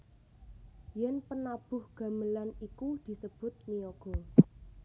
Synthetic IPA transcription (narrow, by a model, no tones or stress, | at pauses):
jɛnpənab̥ʊ̤hɡ̥a̤məlanikud̪̥i̤səb̥ʊ̤t̪̚mijoɡ̥ɔ